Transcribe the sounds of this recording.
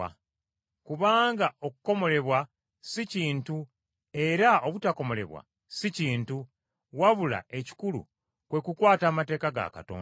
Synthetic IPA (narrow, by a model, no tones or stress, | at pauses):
a | kuβaːŋɡao̞kuko̞mo̞le̞βwa | siciːntu | e̞ɾaoβutako̞mo̞le̞̰βwa̰ | siciːntu | waβula̰e̞ci̥kulṵ | kwe̞kukwaːtaːmate̞ːkaɡa̰ka̰to̰ː